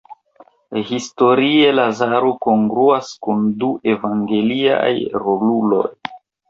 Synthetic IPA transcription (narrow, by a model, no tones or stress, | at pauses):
histo̞ɾie̞lazaɾoko̞ŋɡɾuaskunduʔe̞vaŋɡe̞lia̰jɾolulo̞̰j